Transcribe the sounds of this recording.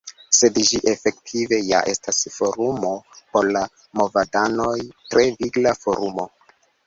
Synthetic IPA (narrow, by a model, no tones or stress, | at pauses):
se̞dʒiʔefe̞ktʰive̞ja̰ʔe̞stʰasfo̞ɾumo̞po̞ɾla | mo̞vadano̞jtɾʔe̞viɡlafo̞ɾumo̞